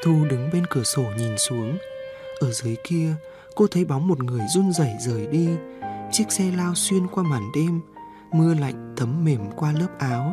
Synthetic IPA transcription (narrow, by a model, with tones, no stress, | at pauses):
t̪ʰu˧ɗɨ˨˦ŋɓe˧nkɨ˧˩əso˧˩ɲi˨˩nsu˨˦əŋ | ʔəː˧˩zɨ˨˦əjki˧ə | ko˧t̪ʰə˨˦jɓa˨˦wŋ͡mmo˨˩t̚ŋɨ˨˩əjzu˧nzə˧˩jzəː˨˩jɗi˧t͡ɕi˦˥ək̚sɛ˧laː˧wswi˧ənkwaː˧maː˧˩nɗe˧mː | ɨ˧əla̰˧˨jŋ̟t̪ʰə˨˦mːe˧˩mkwaː˧ləː˦˥p̚ʔaː˨˦w